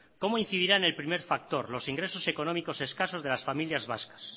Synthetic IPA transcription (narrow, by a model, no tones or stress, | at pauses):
ko̞moin̟θið̞iɾane̞lpɾime̞ɾfak̚t̪o̞ɾlo̞siŋɡɾe̞so̞se̞ko̞nomiko̞se̞skaso̞zðe̞lasfamiljazβa̰skḁs